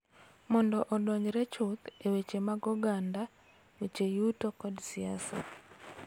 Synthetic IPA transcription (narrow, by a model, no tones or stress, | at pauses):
mɔndɔʔɔdɔɲɾɛt͡ʃʊt̪ewet͡ʃemaɡɔɡanda | wet͡ʃejutokɔdsiasa̰